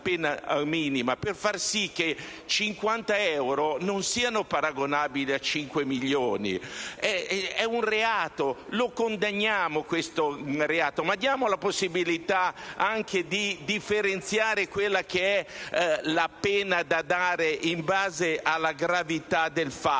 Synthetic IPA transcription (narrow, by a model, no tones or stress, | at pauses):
pɛːnamiːnimaperfarsikːe | t͡ʃiŋkwant̪aɛwɾononsiːanopaɾaɡonaːbiliat͡ʃiŋkwemiʎːoːnḭɛɛunreaːt̪olokond̪aɲːaːmokwest̪oreaːt̪omad̪ːjaːmolaposːibilit̪aaŋkʰed̪id̪ifːeɾent̪sjaːɾekwelːakeɛ | lapɛːnad̪ad̪aːɾeʔimbaːzeʔalːaɡɾavit̪ad̪elfa